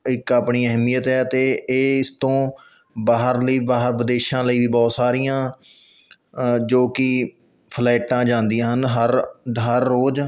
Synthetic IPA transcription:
ɪkaːpɳiːɛɦmijət̪ɦɛːt̪eːɪst̪õː | baːɦəɾləiːbaːɦəɾʋəd̪eːʃãːləiːʋiːbɔːt̪saːɾijãː | d͡ʒoːkɪ | pʰlɛːʈãːd͡ʒãːnd̪ijãːɦənɦəɾɦəɾːoːd͡ʒ

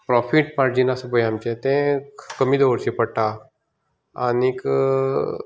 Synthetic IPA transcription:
pɾɔfiʈpaɾd͡ʑinasəbəjamt͡ɕẽt̪ẽkəmiːd̪oʋəɾɕipəɽʈa | a̰nik

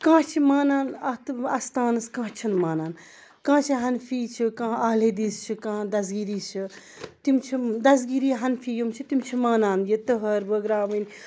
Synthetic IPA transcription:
kãːt͡ʃʰimaːnaːnɐt̪ɐst̪aːnɨskãːt͡ʃʰɐnmaːnaːn | kãːt͡ʃʰiɦɐnfiːt͡ʃʰikãːaːled̪iːst͡ʃʰikãːd̪ɐzɡiːɾiːst͡ʃʰi | t̪imt͡ʃʰid̪ɐz̬ɡiɾiːɦɐnfijumt͡ʃʰit̪imt͡ʃʰimaːnaːnjit̪ɐɦɐɾbɐɡɾaːʋɨnʲ

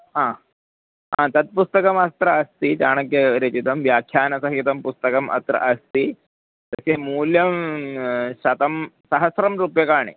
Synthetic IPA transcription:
ɦãː | ãːt̪ɐt̪̚pust̪ɐkɐmɐst̪ɾɐːst̪it̪aːɳɐkjɐɾɐt͡ʃit̪ɐmʋjaːkʰjaːnɐsɐɦit̪ɐmpust̪ɐkɐmʔɐ̰t̪ɾɐ̰ʔɐst̪i | t̪ɐseːmuːljɐm | ɕɐt̪ɐmsɐɦɐsɾɐmɾuːpjɐkaːɳḭ

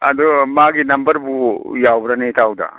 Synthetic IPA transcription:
ɐdɔmaɡinɐmbɐɾbujawbɾanejtʰawda̰

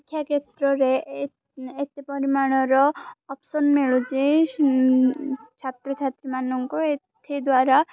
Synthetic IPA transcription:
kʰjaket̪ɾɔɾe | et̪epɔɾimaɽ̃ɔɾɔːpsɔnmeɭud͡ʒe | t͡ʃʰat̪ɾɔt͡ʃʰat̪ɾimanɔŋkɔet̪ʰed̪waɾa

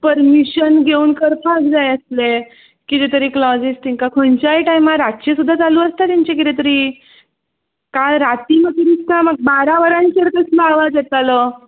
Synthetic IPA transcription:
pəɾmiɕənɡʱeuːnkəɾpʰaɡd͡zajəsle | kit̪et̪əɾiklɔd͡zisʈ̪iŋkakʰont͡ɕaiʈajmaɾat̪t͡ɕesud̪ʱːat͡sd͡zaluːəst̪at̪aɲt͡ɕakit̪et̪əɾiː | kaɾat̪imət̪ɾist̪aməɡ̚baɾaʋəɾãnt͡ɕəɾkəsləaʋad͡zjet̪alɔ

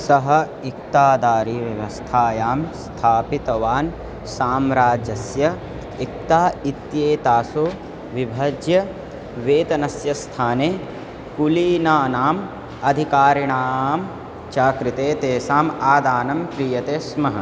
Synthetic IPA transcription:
sɐɦɐ | ik̚t̪aːd̪aːɾiːʋjɐʋɐst̪ʰaːjaːmst̪ʰaːpit̪ɐʋaːn | saːmɾaːd͡ʒɐsjɐ | ik̚t̪aːit̪jeːt̪aːso | ʋibʱɐd͡ʒjɐ | ʋeːt̪ɐnɐsjɐst̪ʰaːneː | kuliːnaːnaːm | ɐd̪ʱikaːɾiɳaːm | t͡ʃaːkɾit̪eːt̪eːsaːmaːd̪aːnɐmkɾijɐt̪eːsmɐɦɐ

